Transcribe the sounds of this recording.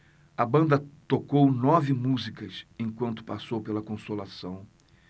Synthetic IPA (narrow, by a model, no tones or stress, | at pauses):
ɐbɐ̃nd̪ɐt̪okownɔvɪmuzikɐsẽj̃kwɐ̃nt̪ʊ̥pasowpelɐkõsolasɐ̃w̃